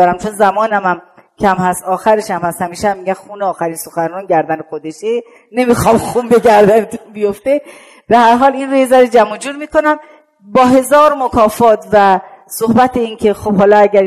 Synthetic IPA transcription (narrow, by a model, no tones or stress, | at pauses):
ɒːɾæmt͡ʃʰonzæmɒːnæmæm | kʰæmhæst̪ɒːxæɾeʃæmhæst̪hæmiːʃæmːiːɡæmxuːneɒːxæɾiːnso̞xænrɔːnɟæɾd̪ænexod̪e̞ʃe | ne̞miːxɒːmxuːmbe̞ɡæɾd̪ænet̪ʰunbijoft̪e̞ | b̥e̞hæɾɦɒːlinɾojezæɾed͡ʒæmod͡ʒuːɾmiːko̞næm | bɒːɦe̞zɒːɾmokʰɒːfɒːt̪ʰvæsohbæt̪ʰeiːnkʰe̞xob̥hɒːlɒæɟæɾ